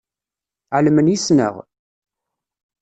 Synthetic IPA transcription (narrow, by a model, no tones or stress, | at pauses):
ʕlmənjisnə̰ʁ